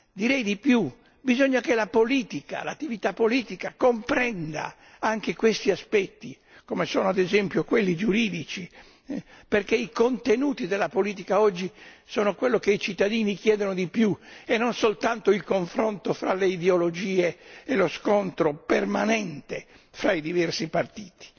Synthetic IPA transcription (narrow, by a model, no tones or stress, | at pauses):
d̪iɾɛjd̪ipju | bizoɲːakelapoliːt̪ika̰la̰t̪ːivit̪apːoliːt̪ikakompɾɛnd̪a̰ | aŋk̟ekwest̪iaspɛt̪ːi | komesɔːnoad̪ezɛmpjokwelːid͡ʒuɾiːd̪it͡ʃi | perkeikont̪enuːt̪id̪elːapoliːt̪̬ikaɔd͡ʒːisɔːnokwelːokeit͡ʃit̪ːad̪iːnik̟jɛːd̪onod̪ipjuenːonsolt̪ant̪oilkoɱfɾont̪ofɾaleid̪eolod͡ʒiːeːloskont̪ɾopermanɛnt̪e | fɾaid̪ivɛrsipart̪iːt̪i̥